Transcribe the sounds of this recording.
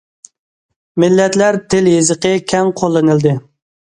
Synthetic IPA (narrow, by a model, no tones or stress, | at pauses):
mɪlːɛt̪læɾt̪ʰɪljezəqəkʲʰɛŋqʰolˠːɨnɨld̪ɨ